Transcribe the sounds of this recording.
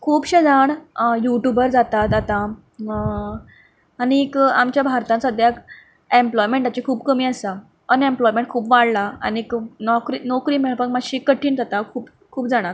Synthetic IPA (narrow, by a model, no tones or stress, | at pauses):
kʰuːbɕed͡zaɳjuʈjubəɾd͡zat̪at̪at̪ã | añika̰mt͡ɕjabʱaɾt̪ãnsəd̪ʱjak | emplɔjmẽɳʈat͡ɕikʰuːbkəmiːasa | ənemplɔjmẽɳʈ̚kʰuːpʋaɽlaa̰niːknɔkɾinɔkɾiːmeɭpəɡmaɡɕiːkəʈʰiːnd͡zat̪akʰuːp | kʰuːpd͡zaɽ̃at̪